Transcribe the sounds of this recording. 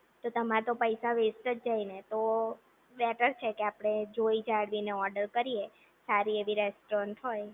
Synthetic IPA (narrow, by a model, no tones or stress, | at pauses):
t̪ot̪əmat̪opəjsaʋesʈəd͡ʒd͡ʒainet̪o | bɛʈəɾt͡ʃʰekeapɽ̃ed͡ʒoid͡ʒaɽʋineɔɾɖəɾkəɾie | saɾieʋiɾɛsʈɾɔɳʈɦoj